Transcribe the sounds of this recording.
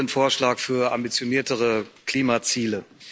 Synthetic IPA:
ənfoːɐʃlaːkfyːɐʔa̰mbit͡sjoniːɐtʰəʁəkl̥iːmat͡siːlə

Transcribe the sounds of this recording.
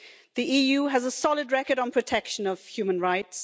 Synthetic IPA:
ðiʔijʉːɨzəsɑlˠɨd̚ɹɛkə˞ɾn̩pʰɹ̥ɨtʰɛkʃə̃nʌv̥hjʉmə̃nɹaɪts

